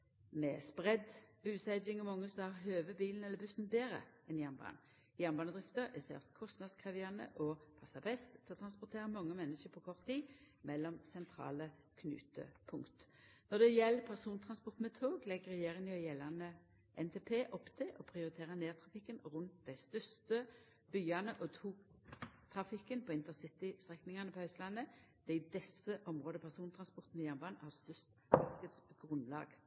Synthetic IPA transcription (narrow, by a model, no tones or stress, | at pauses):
mɛːspʁɛd̪bʉːsæɪd͡ʒɪŋɔmɑŋːəsɔhæʁɦøːʋəbiːln̩ɛləbʉsn̩beːɾə̰ɛnjæʁnbɑ̰ːn | jæʁnbɑːnəd̪ʁɪft̪əɾɛsɛ̰ft̪kʰɔst̪nɑd̪skʰʁɛʋɪɑnə̰ʔɔpʰɑsɑbɛst̪ʰːɛɔt̪ʰɾɑnspɔʁt̪ʰeːʁəmɑŋːəmɛnːəʃəpʰɔkʰɔʁt̪ːiː | mɛlːɔmsɛnt̪ʰɾɑ̰ːlə | kʰnʉ̰ːt̪ə̰pʰʊŋkt̪ | nɔd̪ɛjɛlːpʰæʁsuːnt̪ʰʁɑnspɔʁt̪mɛt̪ʰoːɡlɛɡəʁɛjeːʁɪŋnʊjɛlɑnə | ʔɛnt̪ʰeːpʰeːʔɔpt̪ʰɪʔɔpʰʁɪʊʁɪt̪ʰeːʁəneːʁt̪ʰʁɑfɪkːənʁʉnt̪̚d̪æɪst̪œst̪ə | b̥yːɑnəʔɔt̪ʰuːkt̪ʰʁɑfɪkːənpʰɔɪnt̪ənsɪt̪ɪst̪ʁɛknɪŋɑnəpʰɔœʏsəlɑnːəd̪̥ɛɪd̪ɛsəʔɔmʁoːd̪əpʰæʁsuːnt̪ʰʁɑnspɔʁt̪n̩mɛjæʁnbɑːnhɑːst̪œst̪mɑʁkəd̪sɡ̥ʁʊnlɑ̰ːɡ